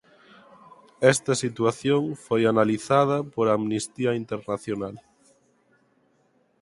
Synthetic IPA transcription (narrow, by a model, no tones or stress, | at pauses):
ɛst̪ɐsit̪waθjõŋfojanaliθað̞ɐpoɾaːmnist̪iaint̪eɾnaθjonal